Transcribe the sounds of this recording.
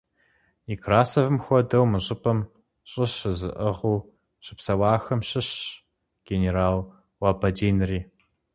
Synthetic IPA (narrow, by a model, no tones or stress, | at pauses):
ikʰraːsɐvɨmxʷɔdɐwmɨɕʼɪpʼʰɐm | ɕʼɪɕɨzɨ̰ʔəʁuː | ɕɨpsɐwɑːxɐmɕɪɕ | ɡ̥eneraːl | wabɐdeːnriː